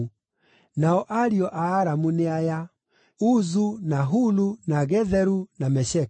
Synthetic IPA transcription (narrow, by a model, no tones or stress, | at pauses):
naɔʔaɾiɔʔaːɾamuneaja | uzunaɦulunaɣɛðɛɾunamɛɕɛ